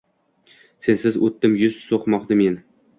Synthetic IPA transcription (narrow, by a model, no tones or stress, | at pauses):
sensɪzot̪ːɪmjʊzsoqmɒqd̪ɪmen